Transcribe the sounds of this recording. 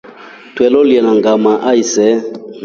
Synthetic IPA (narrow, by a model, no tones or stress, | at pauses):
tʰwɛlɔliɛnaŋɡamaʔaisɛ